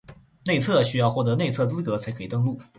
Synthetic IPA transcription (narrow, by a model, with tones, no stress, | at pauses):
ne˥˧ɪt͡sʰɤ˥˩ɕy˥jɑ˥˧ʊxwɔ˥˩t̪ɤ˧˥ne˥˧ɪt͡sʰɤ˥˩t͡sɹ̩˥kɤ˧˥t͡sʰa˧˥ɪkʰɤ˧˥i˨˩t̪ɤ˥˧ŋlu˥˩